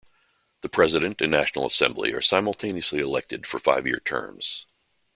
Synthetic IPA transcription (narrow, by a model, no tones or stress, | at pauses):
ðəpʰɹ̥ɛzɨɾɨ̃ntɨ̃nːæʃnl̩ˠə̰sɛ̃mblḭə̰˞sãɪ̃ml̩ˠtʰẽɪ̃niɨsliəlɛk̚tɨd̥fə˞fa̰ɪvjɪ̰ɹtʰɜ̰̃˞mz̥